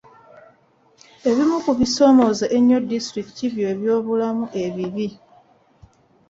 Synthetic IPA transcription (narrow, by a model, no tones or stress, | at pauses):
e̞βimukuβiso̞ːmo̞zeʔeɲːodistɾiki̥tiβje̞ːβjo̞ːβulamuʔe̞βiβi